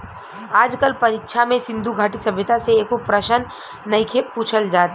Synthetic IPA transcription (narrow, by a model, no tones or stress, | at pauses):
aːd͡ʒkəlpɐɾɪkʃʰamẽsɪ̃nd̪ʱuɡʱaːʈisɐbʱjɪt̪aseeːkopɾəʃənː | ɐikʰepuːt͡ʃʰəld͡ʒaːt̪